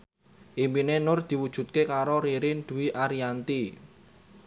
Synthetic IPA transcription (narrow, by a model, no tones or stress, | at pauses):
ʔimpinenʊrd̪̥i̤wud̥ʒ̥ṳt̪̚kekaɾoɾiɾɪnd̪̥ṳwiʔaɾiant̪i